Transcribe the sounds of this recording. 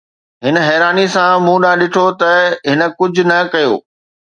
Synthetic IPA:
ɦɪnɦɛːɾaːnisãmũːɗaːɗɪʈʰot̪ɐɦɪnə̆kʊd͡ʑʱʊ̆nɐkɐjo̰ː

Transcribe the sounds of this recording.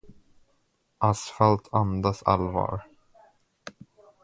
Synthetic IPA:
ʔasfalt̪ʰand̪asa̰lvɑ̰ːɾ

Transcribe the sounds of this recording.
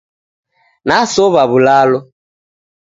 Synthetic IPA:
nasɔβaβulalɔ

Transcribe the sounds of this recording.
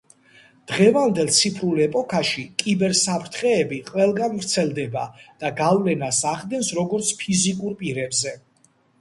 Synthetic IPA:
d̪̥ʁɛvand̪ɛlˠt̪sʰipʰɾulɛpʼɔkʰaʃikʼibɛɾsapʰɾt̪ʰχɛːbiqʼwɛlˠɡanvɾt̪sʰɛlˠd̪ɛbad̪̥aɡavlɛnasaχd̪ɛnsɾɔɡɔɾt̪sʰpʰizikʼuɾpʼiɾɛbzɛ

